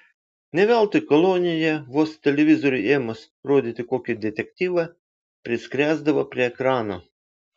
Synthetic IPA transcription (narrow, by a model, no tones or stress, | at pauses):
nʲɛʋʲælˠt̪ɨkɔlˠɔnʲɪjɛʋɔst̪ʲɛlʲɛʋʲizɔɾʲʊʔɛmɐs | ɾod̪ʲɪt̪ʲɪkokʲɪd̪ʲɛt̪ʲɛk̚t̪ʲiʋɐ | pʲɾʲɪskɾʲæzd̪ɐʋɐpʲɾʲɪɛkɾɑnɐ